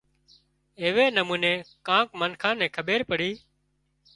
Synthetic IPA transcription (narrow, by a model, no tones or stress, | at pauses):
eːʋeːnəmũːnẽːkãːkmənkʰãːnɛ̃ːkʰəɓeːɾpəɽiː